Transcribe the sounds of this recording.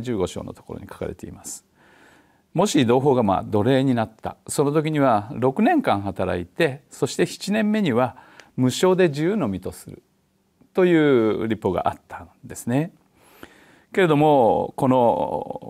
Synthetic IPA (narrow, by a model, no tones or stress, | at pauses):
d͡ʑɨːɡo̞ɕo̞̰ːnot̪oko̞ɾo̰ɲ̟ikḁka̰ɾe̞̰t̪e̞ḭmasɨ̥ | mo̞ɕid̪o̞ːɦo̞ːɡama̰ːd̪o̞ɾe̞ːɲ̟inat̪ːa̰so̞no̞t̪̬o̞k̬ʲiɲ̟iβ̞aɾo̞kɯ̟nẽ̞ŋkãɰ̃ɦat̪aɾa̰it̪e̞so̞ɕi̥t̪e̞çi̥t͡ɕinẽ̞mːe̞ɲ̟iβamɯ̟ɕo̞ːd̪e̞ʑiɯːno̞mʲit̪o̞sɨɾɯ̟̰ | t̪o̞jɯ̟ːɾʲipːo̞ɡa̰ʔat̪ːãnd̪e̞sɨne̞ | ke̞ɾe̞d̪o̞mo̞ko̞no̞